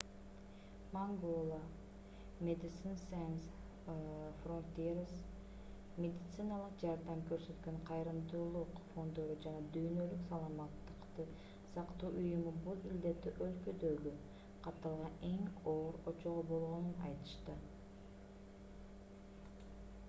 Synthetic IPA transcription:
maŋɡolˠa | mʲed̪ɪt̪sɨnsajns | front̪eɾas | mʲed̪ʲit̪sɨnalˠəq̚d͡ʒɑɾd̪ɑmkø̞ɾsø̞t̪kø̞ɴqʰɑjɾɯmd̪uːlˠuqfo̞nd̪oɾud͡ʒɑnɑd̪yːnø̞lyksɑlˠɑmɑt̪ːɯ̥qt̪ɯ | sɑqt̪uːʔujumubulˠild̪e̞t̪iʔølkø̞d̪øɡy | qʰɑt̪ːɑlˠʁɑne̞ŋo̞ːɾot͡ʃoʁobo̞lˠʁo̞nunɑ̰jt̪ɯ̥ʃt̪ɯ

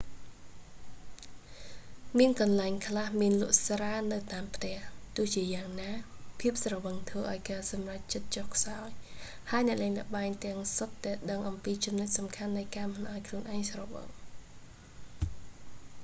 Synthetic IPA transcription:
miənkɑnlaɛŋkʰlahmiənlʊ̆əʔsraːnɨwt̪aːmpʰt̪ɛ̆əht̪ʊ̆əht͡ɕiəjaːŋnaːpʰiəp̚srɑʋəŋt̪ʰʋəːʔaɔjkaːsɑmrac̚t͡ɕət̪̚t͡ɕɔhkʰsaɔj | haəjnɛ̆əʔlaːŋlɛ̆ʔɓaɛŋt̪ɛ̆əŋsot̪ːaɛɗəŋʔɑmpiːt͡ɕumnɨc̚sɑmkʰanːɨjkaːmɨnʔaɔjkʰluənʔaɛŋsrɑʋə̰ŋ

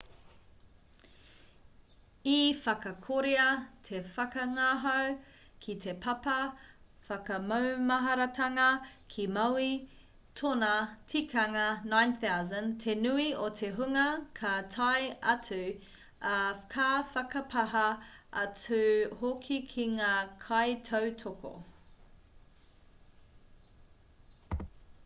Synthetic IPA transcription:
ifɐkɐkʰoɾeɐtʰe̞fɐkɐŋaːɦɐw | kʰit̪ʰepʰɐpɐfɐkɐmɐwmɐɦɐɾɐtʰɐŋɐkʰimɐwi | tʰonɐtʰikʰɐŋɐnãjnθawzɐ̃ntʰenuiot̪ʰeɦuŋɐkʰɐtʰɐjɐt͡sʉ | kʰafɐkɐpʰɐɦɐʔɐt͡sʉhokʰikʰiŋaːkʰɐjtʰɐwtʰokʰo̰

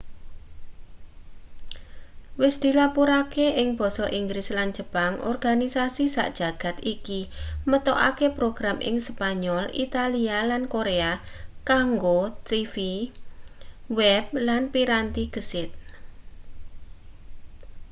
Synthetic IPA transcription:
wɪsd̪̥i̤lapuɾakeɪŋb̥ɔ̤sɔʔiŋɡɾɪsland̥ʒ̥ə̤paŋʔɔ̰rɡ̥anisasisa̰ʔd̥ʒ̥a̤ɡ̥a̤t̪ikimət̪ɔʔa̰kepɾoɡ̥ɾamʔɪ̰ŋspaɲɔlḭt̪alialankoɾea | kaŋɡot̪ifi | wɛb̥̚lanpiɾant̪iɡ̥əsɪt̪̚

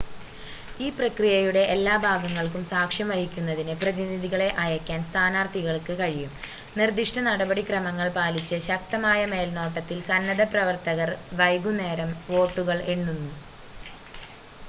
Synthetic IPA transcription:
iːprɐkrijɐjuɽe̞ʔelːaːbʱaːɡɐŋːɐɭkumsaːkʂjɐmʋɐhikʲːunːɐðinɨprɐðiniðiɣɐɭe̞ʔɐjɐkʲːaːnst̪ʰaːnaːrt̪ʰiɣɐɭkɨkɐɻijum | nird̪iʂʈɐnɐɽɐbɐɽikrɐmɐŋːɐɭpaːlit͡ɕːɨɕɐk̚t̪ɐmaːjɐme̞ːlno̞ːʈːɐt̪ːilsɐnːɐðɐprɐʋɐrt̪ɐɣɐrʋɐjɡune̞ːɾɐmʋo̞ːʈːuɣɐɭeɳːunːu

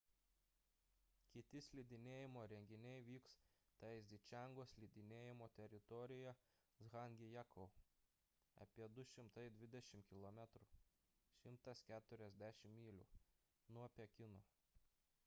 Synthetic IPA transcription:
kʲɪt̪ʲɪsʲlʲid̪ʲɪnʲeːjɪmoːɾʲɛŋʲɡʲɪnʲɛɪʋʲiːkst̪ɐɪzʲd̪ʲɪt͡ʃʲæŋɡoːsʲlʲid̪ʲɪnʲeːjɪmoːt̪ʲɛɾʲɪt̪ɔɾʲɪjɛ | zɣɑŋʲɡʲɪjækʰɔʊ | ɐ̰pʲiɛd̪ʊʃʲɪmt̪ɐɪd̪ʲʋʲɪd̪ʲɛʃʲɪmkʲɪlˠɔmʲɛt̪ɾu | ʃʲɪmt̪ɐskʲæːt̪ʊɾʲɛzʲd̪ʲæʃʲɪmːʲiːlʲṵː | nuɔpʲɛkʲɪnoː

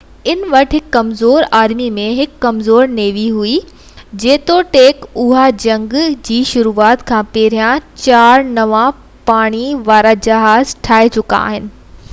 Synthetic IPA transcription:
ɪnʋɐʈɦɪkːɐmzoːɾaːɾmimẽɦɪkːɐmzoːɾneːʋiɦui | d͡ʑeːt̪oʈeːkʊɦad͡ʑɐ̃ŋɡd͡ʑiːʃʊɾuːaːt̪kʰãːpeːɾijãt͡ɕaːɾnɐʋã | paːɽ̃iʋaːɾad͡ʑɐɦaːzʈʰaːet͡ɕʊka̰a̰ːɦɪnɪ̆

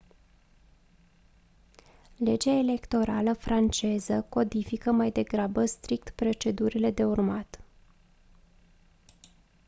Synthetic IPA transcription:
le̞d͡ʒaele̞kt̪o̞ɾaləfɾʔant͡ʃe̞zəko̞d̪ifikəmajd̪e̞ɡɾabəst̪ɾik̚t̪pɾo̞t͡ʃe̞d̪uɾile̞d̪e̞urmat̪

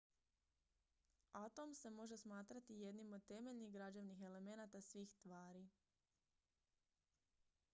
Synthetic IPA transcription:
at̪o̞mse̞mo̞ʒe̞smaːt̪ɾat̪ije̞d̪nimo̞d̪̚t̪e̞me̞ʎniɣɡɾad͡ʑeʋnixe̞le̞me̞nat̪asʋiːxst̪ʋaːɾi

